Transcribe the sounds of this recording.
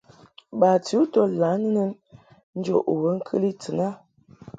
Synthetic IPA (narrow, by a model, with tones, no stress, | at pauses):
ba˨ti˨˦to˦la˨˦nə˦nə˦n | n̩˦d͡ʒo̰˦˨ʔo˨wə˦ŋ̩˦kʰə̰˦li˦t͡sə˨na˦